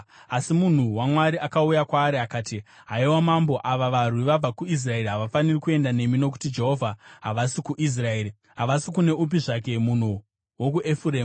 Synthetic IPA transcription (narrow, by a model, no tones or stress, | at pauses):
asimun̤uwamwaɾiʔakaujakwaːɾiakaːti | ɦaiwamambo̞ʔaʋaʋar̤wiʋab͡vakuis̬rae̞riɦaʋafanirikue̞ndane̞mino̞k̬u̥tid͡ʒe̞ɦo̞vʱaɦaʋasikuʔis̬rae̞ːɾi | ɦaʋasikune̞ʔup̬iʐak̬e̞mun̤u | wo̞k̬uʔe̞fuɾeːm